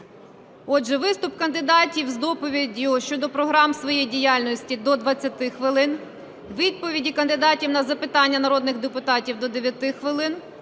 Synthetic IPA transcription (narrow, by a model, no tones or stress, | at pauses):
ɔdʒɛʋɪst̪ʊp̚kɐnd̪ɪd̪ɑtʲiwzd̪ɔpɔʋʲidʲjʊʃt͡ʃɔd̪ɔpɾɔɦɾɑmsʋɔjɛjdʲijɑlʲnɔsʲtʲid̪ɔd̪ʋɐt͡sʲːɐt̪ɪxʋɪlˠɪn | ʋʲid̪̚pɔʋʲidʲikɐnd̪ɪd̪ɑtʲiwnɐzɐpɪt̪ɑnʲːɐnɐɾɔd̪nɪɣd̪epʊt̪ɑtʲiwd̪ɔd̪eʋʲjɐt̪ɪxʋɪlˠɪn